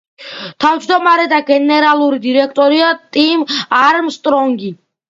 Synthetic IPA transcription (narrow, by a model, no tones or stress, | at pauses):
t̪ʰavd͡ʒd̪ɔmaɾɛd̪aɡɛnɛɾalˠuɾid̪iɾɛkʰt̪ʼɔɾiat̪ʼimaɾmst̪ʼɾɔŋɡi